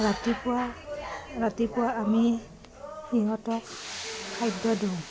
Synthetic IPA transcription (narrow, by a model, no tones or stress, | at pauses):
ɹatipʊwa | ɹatipʊwaːmi | hiɦɔtɔkkʰajdɔdow